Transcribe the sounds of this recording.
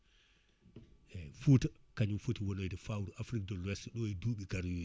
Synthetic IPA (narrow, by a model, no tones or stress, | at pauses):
ɛfutakaɲumfotiwɔnojdɛfawɾuʔafɾik̚dɔlwɛstɗɔɛduːɓikaɾjo